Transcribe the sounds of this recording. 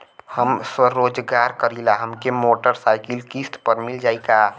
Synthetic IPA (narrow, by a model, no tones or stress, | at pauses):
həmswəɾoːd͡ʒɡaɾkəɾilaɦəmkemoʈəɾsaɪkilkist̪pəɾmɪld͡ʒaːika